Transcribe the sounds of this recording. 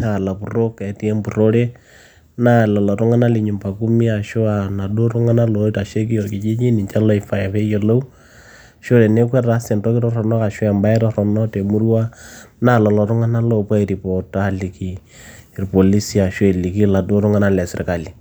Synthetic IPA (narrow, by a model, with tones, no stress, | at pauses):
a˨la˨pu˨ro˦ka˨ti˦e˦mpu˨ɾo˦ɾe˦ | na˦˨lɔ˨lɔ˨ɾu˦ŋa˦na˦li˨ɲu˨mpa˨ku˦mi˦a˨ʃʊ˦a˨na˨do˦ɾu˦ŋa˦na˦lo˨˦ta˨ʃe˦k̬i˦jɔ˨ki˨d͡ʒi˦d͡ʒi˦ni˨t͡ʃa˦lɔ˦i˨fa˨ja˨fe˦je˦lo˦u˦ | ʃo˦ɾe˨ne˦kwɛ˦a˦sɛ˨ntɔ˦kɪ˦ɾɔ˦rɔ˨nɔ˦ka˨ʃʊ˦ɛ˨mba˦i˦ɾɔ˦ɾɔ˨nɔ˦te˨mu˦ɾwa˦na˦lɔ˨lɔ˨ɾʊ˦ŋa˦na˦lo˦˨pa˦i˨ɾi˨pɔ˨ta˦li˨ki˨ | i˨ɾpo˨li˦si˦a˨ʃwe˦˨li˨ki˦la˨do˦ɾʊ˦ŋa˦na˦lɛ˨sɪ˨ɾka˨li˨